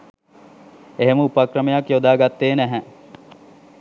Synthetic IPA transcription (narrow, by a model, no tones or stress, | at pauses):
eɦeməupakrəmejakjod̪aːɡat̪ːeːnæɦæ